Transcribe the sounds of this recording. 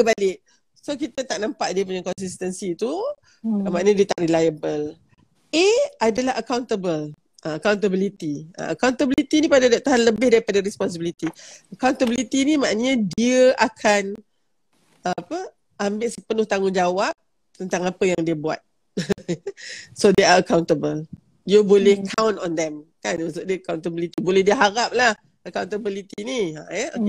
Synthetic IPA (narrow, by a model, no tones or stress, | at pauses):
kəbalɪʔ̚ | sok̬it̪ət̪aʔnampaʔdiəp̬uɲakɔns̬ist̪ənsit̪u | mãʔñədiət̪aʔrilajəbəl | eadalaɦəkawnt̪əbəl | əəkawnt̪̬əbilit̪iə̰a̰kawnt̪əbilit̪inipadadaʔ̚t̪aɦanləbɪhdaɾipadaɾɛspɔns̬əbilit̪iəkawnt̪əbilit̪inimaʔnəɲədiəʔakʰan | apə | ambɪʔsəpənʊht̪aŋʊnd͡ʒawap̚ | t̪ənt̪aŋapəjaŋdiəbua̰t̪̚ | sodeaəkawnt̪əbəl | diəbolɛhkʰawnɔnd̪ɛmkanunsʊʔ̚diəəkawnt̪əbilit̪ibolɛhdiəɦaɾap̚lah | əkawnt̪əbilit̪inia̰ɛo